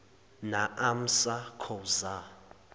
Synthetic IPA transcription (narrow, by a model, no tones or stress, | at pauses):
naʔam̩sakʰɔza